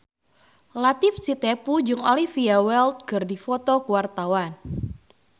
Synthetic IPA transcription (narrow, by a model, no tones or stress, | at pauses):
lat̪ifsit̪ɛpud͡ʒʊŋɔlifiawɛlt̪̚ɡ̥ɨrdifɔt̪ɔkuwart̪awan